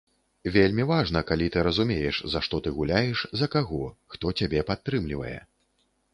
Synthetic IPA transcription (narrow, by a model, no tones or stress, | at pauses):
vʲelʲmʲivaʐn̪ɐkalʲit̪ɨɾɐzumʲejɛʂzɐʂt̪ɔt̪ɨɣulʲajɛʂzɐkaɣɔxt̪ɔt͡sʲabʲɛpat̪ːɾɨmlʲivɐ̰jɛ̰